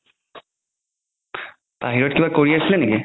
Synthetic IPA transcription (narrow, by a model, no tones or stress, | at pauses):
paɦiɹɔtkibakoɹiasileneki